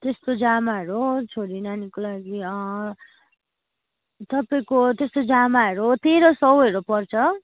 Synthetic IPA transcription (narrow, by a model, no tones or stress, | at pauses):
t̪est̪od͡zamaɦʌɾot͡sʰoɾinanikolaɡiʌ | t̪ʌpaĩkot̪est̪od͡zamaʌɾot̪eɾʌsʌweɾopʌrt͡sʰʌ